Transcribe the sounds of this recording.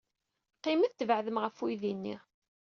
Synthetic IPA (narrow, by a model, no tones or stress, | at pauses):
qːiməθt̪ːvʕðəmʁəfujðinːḭ